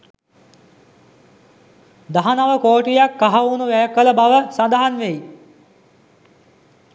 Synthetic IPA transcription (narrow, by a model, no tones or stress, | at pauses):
d̪aɦanaʋəkoːʈijakːaɦauːnuʋæjkːələbaʋəsad̪aɦanʋej